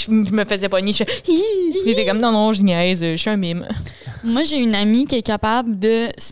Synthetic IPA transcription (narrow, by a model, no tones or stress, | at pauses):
ʒməfəzɛpɔniʃɛiʒet̪ɛkɔmd̪ɑ̃nɔ̃ʒinjɛɪzəʃyɛ̃mɪm | mwaʒeynamikʲiɛkapabld̪əs